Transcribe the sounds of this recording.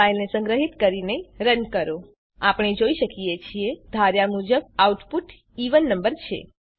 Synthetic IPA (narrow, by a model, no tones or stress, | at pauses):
ailnesəŋɡɾəɦit̪kəɾineiɾənkəɾo | apɳ̃id͡ʒoiʃəkijet͡ʃʰied̪ʱaɾjamud͡ʒəb̚auʈpuʈ | iʋənːəmbəɾt͡ʃʰḛ